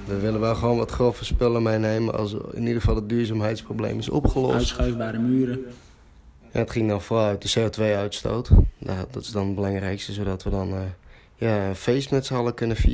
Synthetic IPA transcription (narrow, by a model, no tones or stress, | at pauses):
dəʋɪlˠəʋɛlˠxəʋoːnʋɔtχrofəspɪlˠəmejneːmənɔ̰sɪ̰nidəɣəfɑlˠət̚dyːɹzaːmɦɛjtsproblḛːmɪso̰pxəlɔ̰stsœvbaːɾəmyːəɾə | ja̰ətxɪŋdɔnfolˠœɥt̚dəseːotʋejœɥtsto̰ːtddɔtɪ̥sdɔnəbəlɑŋrɛjkstəsoːdɔtʋədɔn | jaənfeːstmɛtsəalˠəkønəfḭ